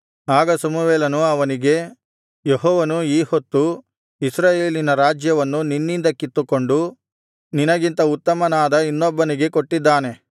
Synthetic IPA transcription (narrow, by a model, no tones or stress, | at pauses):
aːɡɐsɐmuʋeːlɐnuɐʋɐniɡe̞ | jeɦɔːʋɐnuiːhot̪ːu | isɾaːjeːlinɐɾaːd͡ʒjɐʋɐnːuninːind̪ɐkit̪ːuko̞ɳɖu | ninɐɡint̪ɐut̪ːɐmɐnaːd̪ɐinːɔbːɐniɡe̞koʈːid̪ːaːne̞